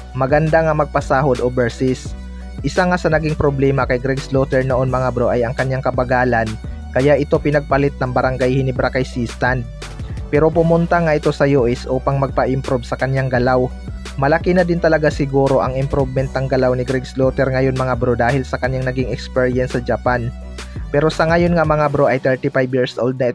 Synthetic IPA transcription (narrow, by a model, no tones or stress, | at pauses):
mɐɡɐnd̪aŋɐmɐɡ̚pɐsaːɦod̪obɛɹsɪs | ʔɪsaŋasɐnɐɡiŋpɾoblɛːmɐkɐjɡɾɛɡslot̪ɛɹnoʔonmɐŋabɾoʔɐjɐŋkɐɲjaŋkɐbɐɡaːlɐn | kɐjaʔɪt̪o̞pɪnɐɡ̚pɐlɪt̪̚nɐŋbɐɾɐŋɡajhɪnɪbɾakajsist̪and̪̚ | pɛːɾo̞pʊmʊnt̪aŋɐʔɪt̪o̞sɐjuʔɛsʔuːpɐŋmɐɡ̚pɐʔɪmpɾubsɐkɐɲjaŋɡɐlaw | mɐlɐkinɐd̪ɪnt̪ɐlɐɡasɪɡuːɾo̞ʔɐŋɪmpɾuvmɛnt̪̚nɐŋɡɐlawnɪɡɾɛɡslot̪ɛɾŋɐjo̞nmɐŋabɾod̪aːhɪlsɐkɐɲjaŋnɐɡiŋɛkspɛɹiɐnsːɐd͡ʒɐpan | pɛɾo̞sɐŋajo̞nŋɐmɐŋabɾoʔɐjt̪ɛɹt̪ɪfajbjiɹsʔo̰wld̪̚nɐɪ